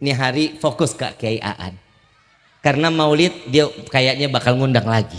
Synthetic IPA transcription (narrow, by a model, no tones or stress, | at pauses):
niɦaɾifokʊska̰kəaiʔa̰ʔa̰n | karənamaulɪt̪̚diakajaʔɲabakalŋundaŋlaɡi